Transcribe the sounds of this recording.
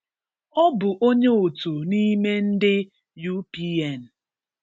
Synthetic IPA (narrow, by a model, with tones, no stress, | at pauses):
ɔ˦bʊ˨ʔo˦ɲe˦o˨tu˨ni˦me˦n̩˦dɪ˦ | ju˦pi˦e˦˨n̩˨